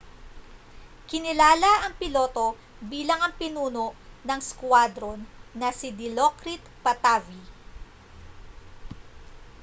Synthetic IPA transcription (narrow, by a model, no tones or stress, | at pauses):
kɪnɪlaːlɐʔɐŋpɪlo̞ːt̪o̞ | biːlɐŋɐŋpɪnuːno̞ʔnɐŋskwad̪ɾonːɐsɪd̪ɪlokɾit̪pɐt̪avi